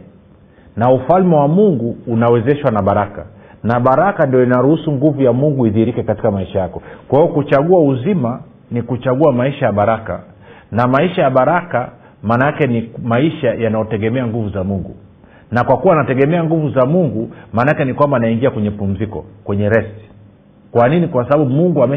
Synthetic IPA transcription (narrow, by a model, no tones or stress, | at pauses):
naufalmɛwamuŋɡuːnawɛzɛʃwanaɓaɾaka̰naɓaɾakandiɔinaɾuhusuŋɡuvujamuŋɡuiðihɾikɛkati̥kamaiʃajakɔkwahiɔkut͡ʃaɠuauzima | nikut͡ʃaɡuamaiʃajaɓaɾaka̰ | namaiʃajaɓaɾaka | maːnaakɛnimaiʃajanajɔtɛɠɛmɛaŋɡuvuzamuŋɡu | nakwakuwanatɛɠɛmɛaŋɡuvuzamuŋɡumaːnakɛnikwambaːnaiŋɡiakwɛɲɛpum̩zikɔ̰kwɛɲɛɾɛsti̥ | kwaninikwasaɓaɓumuŋɡuamɛ